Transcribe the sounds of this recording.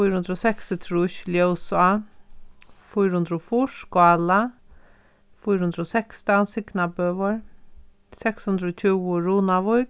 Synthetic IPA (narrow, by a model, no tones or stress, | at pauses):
fujɾhʊnd̪ɾɔsɛksɪt̪ʰɾuʃljowsa | fujɾhʊnd̪ɾɔfuːʂkwala | fujɾhʊnd̪ɾɔsɛkst̪ansɪknabøːʋəɹ | sɛkshʊnd̪ɾɔːt͡ʃʰuwʊɾuːnaʋʊjp